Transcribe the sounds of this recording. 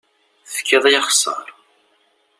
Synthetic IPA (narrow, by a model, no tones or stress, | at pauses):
θə̥kːiðˤjɑχsˤɑ̰ɾˤ